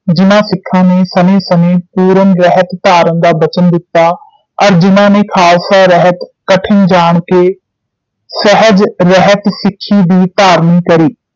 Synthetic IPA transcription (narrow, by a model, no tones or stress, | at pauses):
d͡ʒɪnãːsɪkʰːãːneːsənẽːsəneːpuːɾənɾɛɦət̪ːaːɾənd̪aːbət͡ʃənd̪ɪt̪ːaː | əɾd͡ʒɪnãːneːkʰaːsaːɾəɦət̪kəʈʰɪnd͡ʒaːɳkeː | səɦəd͡ʒɾəɦət̪sɪkʰːiːd̪iːt̪aːɾniːkəɾiː